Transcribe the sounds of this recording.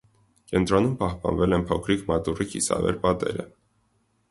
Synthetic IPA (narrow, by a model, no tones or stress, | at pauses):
kɛnt̪ɾɔnumpɑhpɑnvɛlɛnpʰɔkʰɾikmɑt̪urikʰḭsɑ̰vɛ̰ɾpɑt̪ɛɾə